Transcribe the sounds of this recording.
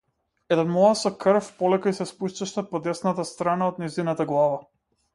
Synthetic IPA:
ɛd̪ɛnmɔasɔkr̩fpɔlɛkaisɛspuʃt̪aʃt̪apɔd̪ɛsnat̪ast̪ɾanaod̪nɛzinat̪aɡlˠava

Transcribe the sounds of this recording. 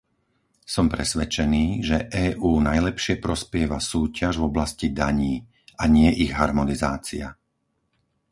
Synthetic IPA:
sɔmpɾɛsʋɛt͡ʃɛniːʒɛʔɛːʔuːnajlɛpʃɪɛpɾɔspɪɛʋasuːcaʒvɔblascid̪aɲiː | ʔaɲɪɛʔiɣɦaɾmɔnizaːt͡sia

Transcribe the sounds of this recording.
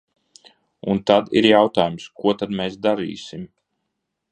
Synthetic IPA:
unt̪ad̪ḭɾjawt̪aːjumskuɔt̪ad̪̚mɛːsd̪aɾḭːsim

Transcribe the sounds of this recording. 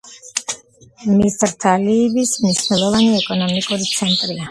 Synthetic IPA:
misɾt̪ʰaliːbismniʃnɛlˠɔvaniɛkʼɔnɔmikʼuɾit̪sʰɛnt̪ʼɾia

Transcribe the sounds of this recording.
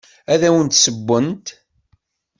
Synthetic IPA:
æðæwənt̪səbːənt̪

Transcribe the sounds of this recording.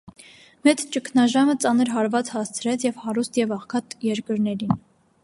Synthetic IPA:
mɛt͡st͡ʃəkʰnɑʒɑmət͡sɑnəɾɦɑɾvɑt͡shɑst͡sʰɾɛt͡sʰjɛvhɑɾust̪jɛvɑχkʰɑt̪jɛɾkəɾnɛɾin

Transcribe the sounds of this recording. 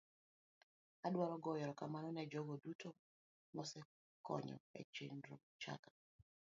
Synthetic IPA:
adwaɾɔɡɔjɔɾɔkamanɔnɛd͡ʒɔɡɔduto | nɔsɛ | kɔ̰ɲɔ̰ɛ̰t͡ʃendɾot͡ʃa̰kḁ

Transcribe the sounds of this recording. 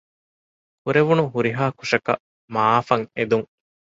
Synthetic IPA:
huɾeʋunuɦuɾiɦaːkuʂɐkɐ̰ | maːfɐŋed̪uŋ

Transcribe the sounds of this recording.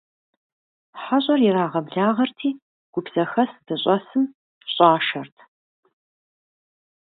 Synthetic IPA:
ħaɕʼɐrjɪɾaːʁɐbɮaːʁɐrtʰiː | ɡ̥ʷʊbz̥ɐxɐsdɨɕʼɐsɨm | ɕʼaːʃɐrtʰ

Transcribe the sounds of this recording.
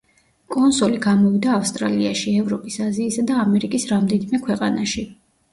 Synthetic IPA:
kʼɔnsɔliɡamɔvid̪aːfst̪ʼɾaliaʃiɛvɾɔpʼisaziːsad̪aːmɛɾikʼisɾamd̪ɛnimɛkʰwɛqʼanaʃi

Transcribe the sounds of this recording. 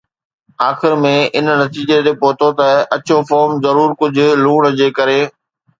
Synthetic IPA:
aːxɪɾmẽʔɪnnɐt̪iːd͡ʑet̪epoːt̪ot̪ɐɐt͡ɕofɔːɾmzɐɾuːɾkʊd͡ʑʱʊ̆luːɽ̃d͡ʑeːkɐɾeː

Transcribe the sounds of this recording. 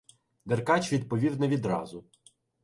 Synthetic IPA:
d̪erkɑt͡ʃʋʲid̪̚pɔʋʲiw̪nɐʋʲid̪ɾɑ̰zʊ

